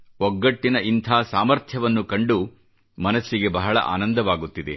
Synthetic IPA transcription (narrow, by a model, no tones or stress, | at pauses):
ɔɡːɐʈːinɐʔint̪ʰaːsaːmɐɾt̪ʰjɐʋɐnːukɐɳɖu | mɐnɐsːiɡe̞bɐɦɐɭɐ̰ʔa̰ːnɐnd̪ɐʋaːɡut̪ːid̪e